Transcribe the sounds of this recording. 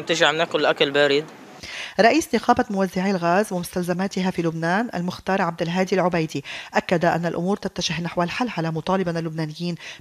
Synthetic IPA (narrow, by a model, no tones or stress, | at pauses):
t̪ɪʒaʕmɪnʔakʊlːʔakalbaːɾɪd̪ | ɾˤɑʔiːsnɪqɑːbamʊwazːaʕilɣaːzwɪmʊst̪alzamaːt̪ɪɦafiːlʊbnaːnʔa̰lmʊxt̪ɑːɾˤʕab̚d̪ɪlɦaːd̪ilʕʊbajd̪iʔakːad̪aʔa̰nːalʔʊ̰muːɾt̪at̪ːaʒɪhnaħwalħalːʕalamʊt̪ˤɑːlɪbanalːʊbnaːnɪjːiːn